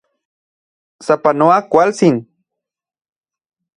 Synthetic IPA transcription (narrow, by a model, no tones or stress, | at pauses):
sapanuakʷalsin